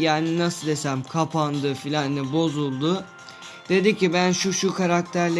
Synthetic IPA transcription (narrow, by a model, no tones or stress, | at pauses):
jaːninasɯd̪e̞sæmkʰapʰand̪ɯfilʲanlɛbo̞zulˠd̪ʊ | d̪̥e̞d̪icibænʃuʃukaɾak̚t̪ʰæɾlʲe